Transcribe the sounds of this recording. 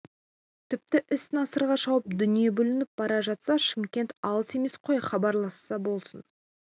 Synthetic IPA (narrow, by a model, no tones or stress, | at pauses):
t̪ʰɪp̚t̪ɪʔɪst̪nɑsəɾʁɑʃɑwəp̚d̪ʏnije̞bɵlɪnɪp̚bɑɾɑʒɑt̪sɑʃɪmkʲe̞nt̪ɑlˠəse̞me̞sqʰo̞jχɑbɑɾlˠɑsːɑbo̞lˠsən